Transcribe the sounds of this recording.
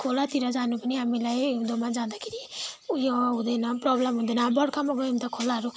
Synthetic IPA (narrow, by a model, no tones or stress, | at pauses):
kʰolat̪iɾad͡zanupaniɦamilajd̪omad͡zãd̪akʰiɾiujoɦũd̪enapɾɔblemɦũd̪enabʌɽkʰamɔɡɔmt̪akʰolaɦɾu